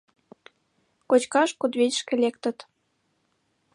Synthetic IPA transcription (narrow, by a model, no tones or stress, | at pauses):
kot͡ɕkɑʃkud̪βetʃkĕlʲekt̪ə̆t̪